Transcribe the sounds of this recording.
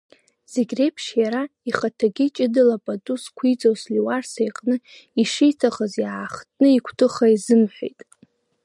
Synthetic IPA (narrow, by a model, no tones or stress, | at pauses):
z̥eɡʲre̞jpʰʃjaɾaiχatʰaɡʲit͡ʃʼɪdɨlapʼatʼuskʷʰit͡sʼowsliwarsejqʼnɨ | iʂijtʰaχəzjaːχtʰʼnɨikʷʰtʰɨχaizɨmħʷᶣḛjtʼ